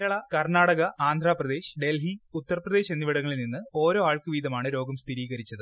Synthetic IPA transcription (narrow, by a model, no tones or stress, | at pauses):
ɾɐɭɐkɐrnaːɽɐɣɐʔaːnd̪ʱraːprɐd̪e̞ːɕɖe̞lɦiut̪ːɐrɐprɐðeːɕe̞nːiʋiɽɐŋːɐɭilninːɨo̞ːɾoːaːɭkɨʋiːd̪ɐmaːɳɨɾo̞ːɡɐmst̪ʰiɾiːɣɐɾit͡ɕːɐðɨ